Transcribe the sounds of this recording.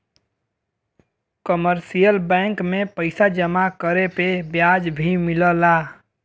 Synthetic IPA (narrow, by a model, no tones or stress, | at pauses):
kəməɾsijəlbɛ̃ːŋkmẽpəɪsad͡ʒəmakəɾepebjaːd͡ʒbʱimɪləlaː